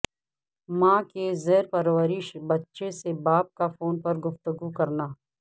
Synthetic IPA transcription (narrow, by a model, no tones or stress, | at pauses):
mãːkezɛːɾpɐɾwaːɾɪʃbɐtːʃesebaːp̚kafoːnpɐɾɡʊft̪əɡukɐɾnaː